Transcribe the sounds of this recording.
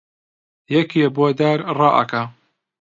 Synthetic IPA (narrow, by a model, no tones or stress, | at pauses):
jɛkeboːd̪aːɾrɑːʔɐ̰ka